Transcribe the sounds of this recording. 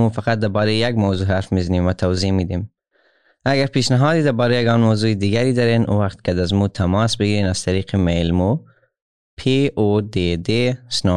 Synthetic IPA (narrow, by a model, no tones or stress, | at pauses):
ufaqat̪̚d̪abɑɾejaɡmawzuːɦaɾfmizanimwat̪ʰawzimid̪im | aɡaɾpeʃnɪɦɑd̪id̪abɑːɾejaɡɑnmawzuid̪iɡaɾid̪aɾenʔṵwaqt̪kad̪azmut̪ʰamɑsbɪɡiɾenaz̥t̪aɾiːqimelmo | pʰeod̪ed̪esnɑ